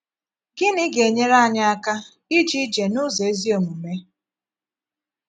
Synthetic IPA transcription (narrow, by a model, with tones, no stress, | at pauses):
ɡɪ˦nɪ˦ɡe˨ɲe˦ɾa˦˨ɲa˦a˦ka˦ | i˦d͡ʒi˦d͡ʒe˨nʊ˦ze˨e˦zi˦o˨mu˨me˦